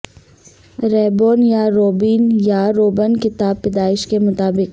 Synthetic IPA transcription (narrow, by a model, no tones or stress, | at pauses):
ɾɛːboːnjaɾoːbiːnjaɾoːbənkɪt̪aːbːɪd̪aːɪʃkemʊt̪aːbɪk